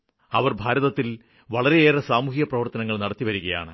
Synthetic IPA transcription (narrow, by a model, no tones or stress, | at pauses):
ɐʋɐrbʱaːɾɐðɐt̪ːil | ʋɐɭɐɾe̞eːresaːmuːhiɣɐprɐʋɐrt̪ɐnɐŋːɐɭnɐɽɐt̪ːiʋɐɾuɣɐja̰ːɳɨ